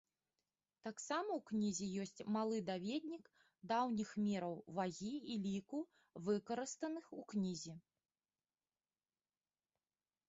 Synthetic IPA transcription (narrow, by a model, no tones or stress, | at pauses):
t̪aksamɐwknʲizʲijɔsʲt͡sʲmalˠɨd̪avʲɛd̪̚ʲnʲik | d̪awnʲixmʲɛɾɐwvaɣʲiilʲiku | vɨkɐɾɨst̪ɐnɨxuknʲizʲi